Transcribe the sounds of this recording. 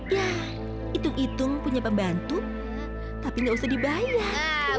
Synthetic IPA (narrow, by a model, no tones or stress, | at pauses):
ja | it̪ʊŋit̪ʊŋpuɲapəmbant̪ʊ | t̪apiŋɡausahdibaja